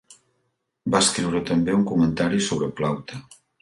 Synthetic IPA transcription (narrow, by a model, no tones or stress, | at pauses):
baskɾiwɾət̪əmbeuŋkumənt̪aɾisoβɾəplawt̪ə